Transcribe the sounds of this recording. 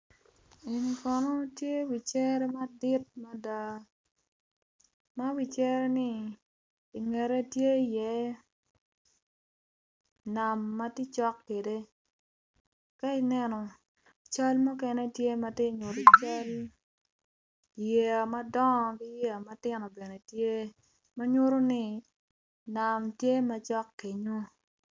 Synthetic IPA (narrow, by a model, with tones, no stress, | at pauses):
i˨nkɔ˨nɔ˦tje˦wi˨t͡ʃɛ˦ɾɛ˦ma˦di˦t̚ma˦da˦ | ma˦wi˨t͡ʃɛ˦ɾe˦ni˦ | i˨ŋɛ˨ɾe˦tje˦˨jɛ˦ | na˨mːa˦ti˦t͡ʃɔ˦kːe˨de˦ | ka˦i˨nɛ˦nɔ˨ | t͡ʃa˦lmu˦kɛ˦nɛ˦tje˦ma˦te˦˨ɲo˨ɾi˨t͡ʃa˦l | je˨a˨ma˦dɔ˦˨ɡi˦je˦a˨ma˦tɪ˦nɔ˨be˨ne˨tje˦ | ma˦ɲo˦ɾo˦nɪ˦ | na˨mtje˦ma˦t͡ʃɔ˦kːe˨ɲo˦